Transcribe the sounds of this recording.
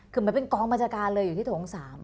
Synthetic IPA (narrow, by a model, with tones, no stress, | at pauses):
kʰɯː˧mɯ˩˦mpe˧nkɔː˧ŋba˧nt͡ɕʰaː˧kaː˧nlɤː˧jːu˨˩t̪ʰiː˥˩tʰoː˩˦ŋsaː˩˦m